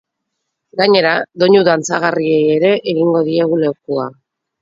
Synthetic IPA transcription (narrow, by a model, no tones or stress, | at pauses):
ɡaɲe̞ɾaðo̞ɲuðant͡saɣ̞arie̞je̞ɾe̞ʔeɣiŋɡo̞ðie̞ɣule̞wkua